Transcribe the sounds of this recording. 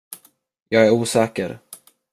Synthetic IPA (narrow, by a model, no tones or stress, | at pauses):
jɑːɡæɾuːsɛːkə̰ɾ